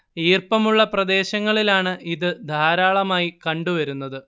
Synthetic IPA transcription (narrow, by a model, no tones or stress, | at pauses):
iːrpɐmuɭːɐprɐd̪e̞ːɕɐŋːɐɭilaːɳɨʔiðɨd̪ʱaːɾaːɭɐmaːjikɐɳɖuʋɐɾunːɐðɨ